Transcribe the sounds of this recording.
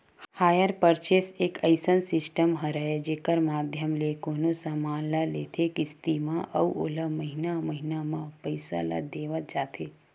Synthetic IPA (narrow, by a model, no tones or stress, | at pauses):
haːjəɾpəɾt͡ʃeseːkəɪsənsɪsʈəmɦəɾəed͡ʒeːkəɾmaːd̪ʱjəmlekoːnosamaːnlaleːt̪ʰekɪst̪imãʔɐuo̰ləməɦɪnamɐɦɪnamãpəɪsa̰la̰d̪eːʋət̪̚d͡ʒaːt̪ʰeː